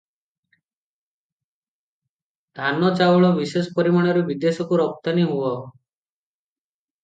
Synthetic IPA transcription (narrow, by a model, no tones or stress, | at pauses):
d̪̥ʱanɔt͡ʃauɭɔbisespɔɾimaɽ̃ɔɾubid̪esɔkuɾɔk̚t̪aniɦuɔ